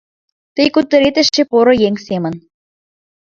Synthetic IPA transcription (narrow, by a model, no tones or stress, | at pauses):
t̪ə̆jkut̪ːə̆ɾet̪ə̆ʃt͡ɕĕpoɾŏjeŋsemə̆n